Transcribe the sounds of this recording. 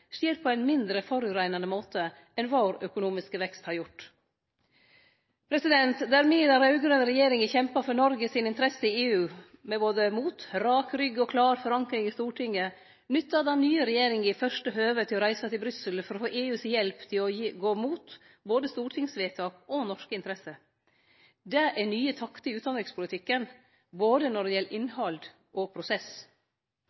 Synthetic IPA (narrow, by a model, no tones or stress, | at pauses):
ʃiːɾpʰɔæɪnmɪnd̪ɾəfɔɾʉːɾæɪnɑnəmoːt̪ʰə | ɛnʋɑːɾœkʊnuːmɪskəʋɛkst̪hɑɾjʊʈː | pʰɾɛsɪd̪ɛnt̪d̪æɾmiːd̪ɑɾɑʉɡɾœnəɾɛjeːɾɪŋəçɛmpɑfɔnɔɾɡəsɪnɪnt̪əɾɛsəɪeːʉːmɛboːd̪əmuːt̪ɾɑːkɾʏɡəɔkʰlɑːɾfɔɾɑŋkɾɪŋɪst̪uːʈʰɪŋːə | nʏt̪ːɑd̪ɛnnyːəɾɛjeːɾɪŋɪfœʂʈəɦøːʋət̪ʰɪlɔɾæɪsət̪ɪlbɾʏsəlfɔɾɔfoːʔeːʉːsjɛlpt̪ʰɪlɔjɡoːmuːt̪ | boːd̪əst̪uːʈʰɪŋsʋeːt̪ʰɑːkɔnɔʂkəɪnt̪əɾɛsə | d̪ɛʔæɳyːət̪ʰɑkt̪əɪʉːt̪d̪ɑnɾɪŋspʰʊlət̪ʰɪkːən | boːd̪ənɔɖɛjɛlːəʔɪnhɑld̪ | ʔɔpʰɾʊsɛs